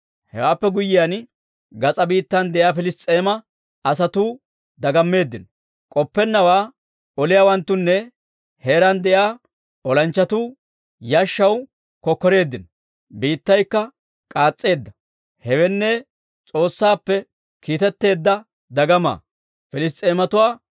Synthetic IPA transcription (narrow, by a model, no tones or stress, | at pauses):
hɛ̰waːpːɛɡʊjːɪjan | ɡɐt͡sʼɐbiːt̪ːɐnd̪ɛjaːfɪlɪstʼːeːmɐ | ɐsɐt̪uː | d̪ɐɡɐmːe̞ːd̪ːɪn | kʼɔpːɛnːɐwaː | ɔlɪjawɐnt̪ːʊnːɛ | he̞ːɾɐnd̪ɛjaː | ɔlɐnt͡ʃːɐt̪uː | jaʃːɐw | kɔkːɔɾe̞ːd̪ːɪn | biːt̪ːɐjkːɐ | kʼaːt͡sʼːe̞ːd̪ːɐ | hɛwɛnːɛ | t͡sʼo̞ːsːaːpːɛ | kiːt̪ɛt̪ːe̞ːd̪ːɐ | d̪ɐɡɐma̰ː | fɪlɪstʼe̞ːmɐt̪ʊwaː